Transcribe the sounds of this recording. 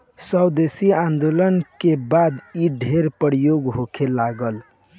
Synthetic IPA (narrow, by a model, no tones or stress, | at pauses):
səd̪esiãnd̪olənkebad̪iɖʱeɾpəɾijoɡɦokʰelaɡəl